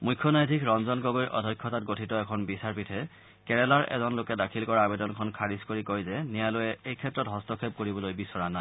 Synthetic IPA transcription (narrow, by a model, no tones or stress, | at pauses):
mujkʰːɔnajdʱikɹɔnzɔnkɔɡoɹjʔɔ̰dʱɔjkʰːɔtatɡotʰitɔɛkʰɔnbisaɹpitʰɛ | kɛɹɛlaɹʔɛ̰zɔnlokɛdakʰilkɔɹaːbedɔnkʰɔnkʰaɹiskoɹikojzɛnijalojɛejkʰɛtːɹɔtɦɔstɔkʰep̚koɹibɔlojbisɔɹanaj